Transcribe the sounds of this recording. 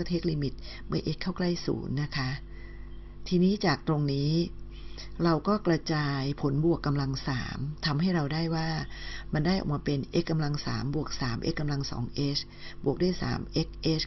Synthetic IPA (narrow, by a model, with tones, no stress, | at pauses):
t̪ʰeː˦˥˩k̚li˧mi˨˩t̪̚mɯ˥˩ɐʔe˦˥kʰːa˥˩wkla˥˩jsṵː˩˦nːa˦˥kʰa˦˥ | t̪ʰiː˧niː˦˥t͡ɕaː˨˩k̚t̪ɾo˧ŋniː˦˥ | ɾa˧wkɔː˥˩kɾa˧t͡ɕaː˧jpʰo˩˦nbu˨˩əkːa˧mla˧ŋsaː˩˦mt̪ʰa˧mɦa˥˩jɾa˧wdaː˥˩jwaː˥˩ma˧ndaː˥˩jʔɔ̰˨˩k̚ma˧pe˧nʔe˦˥kːa˧mla˧ŋsa̰ː˩˦mbu˨˩ək̚saː˩˦mʔḛ˦˥kːa˧mla˧ŋsɔ̰ː˩˦ŋʔeː˦˥t͡ɕ | bu˨˩ək̚du˥˩˨jsa̰ː˩˦mʔe˦˥k̚ʔe˦˥